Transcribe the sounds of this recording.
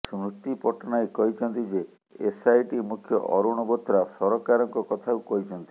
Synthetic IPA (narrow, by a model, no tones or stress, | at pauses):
sɾust̪ipɔʈɔnajkɔɦit͡ʃʰɔnt̪id͡ʒe | esajʈimukʰjɔ̰ʔɔɾuɽ̃ɔbɔt̪ʰːɾasɔɾɔkaɾɔŋkɔkɔt̪ʰaukɔɦit͡ʃʰɔnt̪i̥